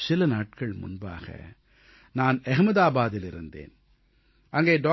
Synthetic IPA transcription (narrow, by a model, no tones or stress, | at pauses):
sɪlɐnaːʈ̚kɐɭmʊ̰nba̰ːɣɐ̰ | naːnɛɣɐmɐðaːbaːðɪlɪɾɯnd̪ḛːn | ʔɐŋɡeːɖoː